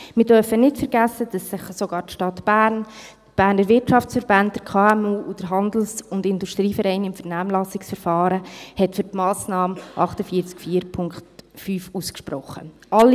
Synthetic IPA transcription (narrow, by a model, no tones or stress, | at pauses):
mɪɾdœɾfənɪtfəɾɡæsːəd̥ɑsːɪχsoɡɑːɾtʃtɑtb̥æːɾntb̥æːɾnəɾʋɪɾtʃɑft͡sfəɾbɑntd̥əɾkʰɑːɛmuːud̥əɾɦɑnd̪l̩sʊndɪnduʃtɾiːfəɾɛɪnɪmfəɾnæːmlɑsɪksfəɾfɑːɾəhɛtfʏɾtmɑːsnɑːmʔɑχtəfiːət͡skfiːəɾpʰʊŋkχtfyːfuskʃpɾɔχːə̰ʔɑli